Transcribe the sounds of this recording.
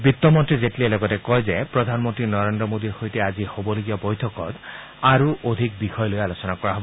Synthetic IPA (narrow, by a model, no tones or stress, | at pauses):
bit̪ːɔmɔntɹizetlielɔɡɔtekɔjzepɹɔd̪ʱanmɔnt̪inɔɾendɾɔmod̪iɾhojteazihobɔloɡiabɔjtʰɔkɔt̪ | aɾuʔod̪ʱik̚bixʰɔjɔlojalosɔnakɔɹaɦɔbɔɔ